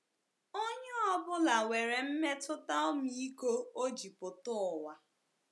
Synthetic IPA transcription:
o˦ɲe˦ɔ˦bʊ˦la˨we˨ɾe˨m̩˦me˦tʊ˦ta˦o˦mi˦i˦ko˦o˦d͡ʒi˨pʊ˨tʊ˦˨wa˨

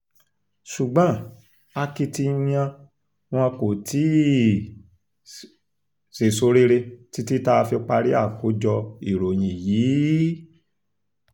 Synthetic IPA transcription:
ʃu˨ɡ͡bã˨˦ | a˧ki˧tĩ˧˦ã˧ | w̃ɔ̃˧ko˨ti˨˦ | se˨so˨˧˦ɾe˦ɾe˧ti˦ti˦ta˦˧fi˧k͡pa˧ɾi˦a˦˨ko˨˦d͡ʒɔ˧i˦˨ɾo˨j̃ĩ˨jiː˨˦

